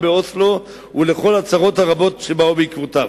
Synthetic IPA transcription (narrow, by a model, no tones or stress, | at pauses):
beoslo̞ | ule̞χo̞lat͡saʁo̞thaʁabo̞tʃe̞baubeikvot̪av